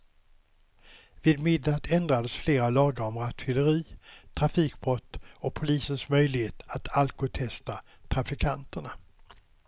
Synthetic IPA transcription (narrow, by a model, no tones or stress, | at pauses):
vɪd̪mɪd̪ːat̪ʰɛnd̪ɾad̪əsfleːɾalɑːɡaɾɔmɾat̪fɪləɾiːt̪ʰɾafiːk̚bɾɔt̪ːɔpʰʊliːsənsmœjlɪheːt̪at̪ʰalkʊt̪ʰɛst̪a | t̪ʰɾafɪkʰant̪əɳa